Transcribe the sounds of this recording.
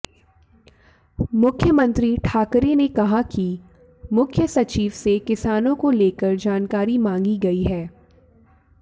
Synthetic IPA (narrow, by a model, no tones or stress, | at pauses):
mʊkʰjəmə̃nt̪ɾiʈʰaːkɾenekɐɦaki | mʊkʰjəsɐt͡ʃiːʋsekɪsaːnõkoleːkəɾd͡ʒaːnkaːɾimãːŋɡiɡɐiɦɛː